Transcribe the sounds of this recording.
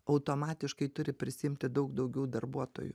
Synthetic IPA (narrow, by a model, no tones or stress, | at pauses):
ɐʊt̪oːmɑːt̪ʲɪʃkɐɪt̪ʊɾʲɪpʲɾʲɪsʲɪɪmʲt̪ʲɪd̪ɐʊkd̪ɐʊɡʲɛʊd̪ɐrbuɔt̪o̰ːjʊ̰